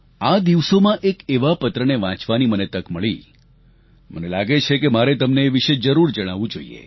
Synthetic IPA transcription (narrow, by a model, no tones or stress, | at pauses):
ad̪iʋsomãʔekeʋapət̪ɾəneʋã̰t͡ʃʋanimənet̪əkməɭi | mənelaɡet͡ʃʰekemaɾet̪əmneːʋiʃed͡ʒəɾuɾd͡ʒəɽ̃aʋũd͡ʒoḭḛ